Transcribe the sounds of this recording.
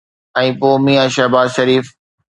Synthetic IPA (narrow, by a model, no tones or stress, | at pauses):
ɛ̃ːpoːmĩːãʃɛɦbaːzʃɐɾiːf